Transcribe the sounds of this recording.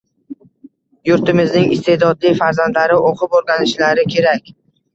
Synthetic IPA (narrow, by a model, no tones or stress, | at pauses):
jʊɾt̪ɪmɪznɪŋɪst̪ʰe̞d̪ɒd̪lɪfaɾzand̪laɾɪʔoqʰɨpoɾɡʲanɪʃlaɾɪkʲʰe̞ɾakʲ